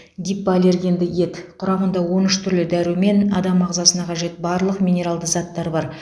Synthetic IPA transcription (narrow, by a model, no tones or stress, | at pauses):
ɡ̪ʲijpːɑːlʲe̞rɡʲe̞nd̪ɪje̞t̪qʰʊɾɑmənd̪ɑwo̞nʏʃt̪ʰʏɾlɪd̪æɾume̞nɑd̪ɑmɑʁzɑsənɑqʰɑʒe̞t̪bɑɾlˠəqmʲijnʲe̞ɾalˠd̪əzɑt̪ːɑɾbɑɾ